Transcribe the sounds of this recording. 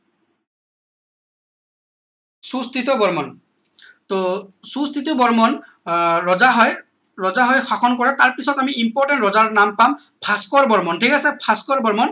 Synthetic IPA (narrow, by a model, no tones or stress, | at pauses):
sust̪it̪ɔbɔɹmɔn | t̪osust̪it̪ɔbɔɹmɔn | ɹɔzaɦɔj | ɹɔzaɦɔjxakʰɔnkɔɹɛt̪aɹpisɔtamiʔimpɔɹʈɛntɹɔzaɹnampam | pʰaskɔɹbɔɹmɔntʰikasɛpʰaskɔɹbɔɹmɔn